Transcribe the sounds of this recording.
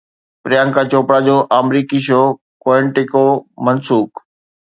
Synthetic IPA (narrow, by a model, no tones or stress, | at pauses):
pɾɪjãːŋkãt͡ɕoːpɽad͡ʑoːʔaːmɾiːkiʃ̬oː | koːɪ̃ɳʈɪkomɐnsuːk